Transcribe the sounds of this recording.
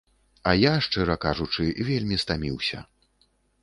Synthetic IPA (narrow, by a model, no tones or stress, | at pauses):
ɐjaʂt͡ʂɛɾɐkaʐut͡ʂɨvʲelʲmʲist̪amʲḭwsʲɐ̰